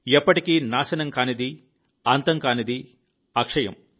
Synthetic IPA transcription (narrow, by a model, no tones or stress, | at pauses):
ɛpːɐʈikinaːsɐnɐŋkaːnid̪i | ant̪ɐŋkaːnid̪i | akʂɐjɐ̰m